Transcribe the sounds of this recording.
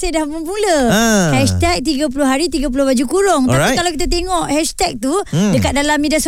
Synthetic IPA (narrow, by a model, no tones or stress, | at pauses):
sajdahmunpuləhɛʃt̪ɛk̚t̪iɡap̬ulʊhɦaɾit̪iɡap̬ulʊhbad͡ʒukuɾʊŋt̪aikalawkit̪at̪eŋɔʔhɛʃt̪ɛk̚t̪udəkat̪̚dalamːidias